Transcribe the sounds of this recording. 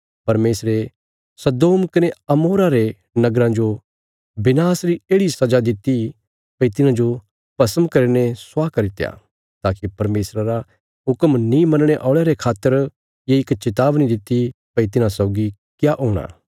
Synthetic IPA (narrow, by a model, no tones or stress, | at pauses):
pɐɾmeːsɾe | sɐd̪oːmkɐneɐmoːɾaɾe | nɐɡɾãd͡ʒo | bɪnaːsɾieːɽisɐd͡ʒad̪ɪt̪ːi | pɐit̪ɪnãd͡ʒo | pɐsəmkɐɾineswaːkɐɾɪt̪ja̰ | t̪aːkipɐɾmeːsɾaɾa | ɦʊkəmnĩmɐ̃nɽ̃eʔɔːɭeɾekʰaːt̪ːəɾ | jeɪkt͡ʃɪt̪aːbnĩd̪ɪt̪ːipɐit̪ɪnãsɔʊɡi | kjaʔoːɽ̃a̰ː